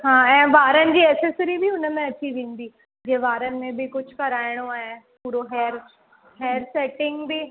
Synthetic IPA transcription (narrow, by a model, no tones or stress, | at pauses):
ɦãːɛ̃ːʋaːɾənɪ̆d͡ʑiːɛːsəsəɾibʱiʊnmɛ̃ɐt͡ɕiʋẽːnd̪iː | d͡ʑẽːʋaːɾən̆mẽbʱɪkʊd͡ʑʰʱkɐɾaːɪɽ̃oaːɦepuːɾoɦɛːɾ | ɦɛːəɾsɛːʈɪ̃ŋɡbʱi